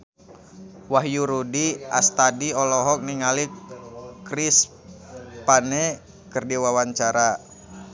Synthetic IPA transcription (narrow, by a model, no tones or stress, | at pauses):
waɦjuɾudia̰st̪adiɔlɔɦɔk̚niŋali | kɾis | panɛ | kərdiwawaɲt͡ʃaɾa